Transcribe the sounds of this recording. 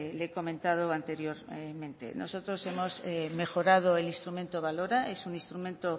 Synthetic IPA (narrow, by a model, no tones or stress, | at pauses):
leko̞mẽnt̪að̞oant̪e̞ɾjo̞ɾmẽ̞nt̪ḛno̰so̞t̪ɾose̞mo̞seme̞xo̞ɾað̞oelinst̪ɾumẽ̞nt̪oβ̞aloɾaesunĩnst̪ɾumẽnt̪o